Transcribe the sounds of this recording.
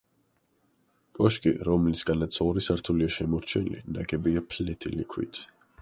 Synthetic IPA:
kʼɔʃkʼiɾɔmlisɡanat̪sʰɔɾisaɾt̪ʰuliaʃɛmɔɾt͡ʃʰɛ̰nlḭnaɡɛbiapʰlɛt̪ʰilḭkʰwḭt̪ʰ

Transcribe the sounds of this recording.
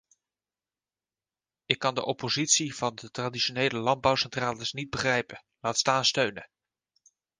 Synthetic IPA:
ɪkːɑndəʔɔpozitsiv̥ɑndətradiʃonejləlɑnd̚bɑwsɛntraːləsnid̚bəχrɛjpə | laːtstaːnstøɥnə

